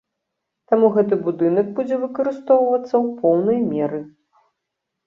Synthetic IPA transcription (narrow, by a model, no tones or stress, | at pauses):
t̪amuɣɛt̪ɨbud̪ɨnɐɡ̚bud͡zʲɛvɨkɐɾɨst̪ɔwvɐt̪sːɐwpɔwnɐjmʲɛɾɨ